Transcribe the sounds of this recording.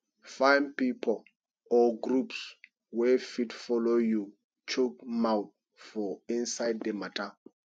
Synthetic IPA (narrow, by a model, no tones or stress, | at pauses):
fãjnpipʰɔl | ɔɡɹups | wɛfidfɔloju | t͡ʃok̚mawθ | fɔĩnsajddematʰa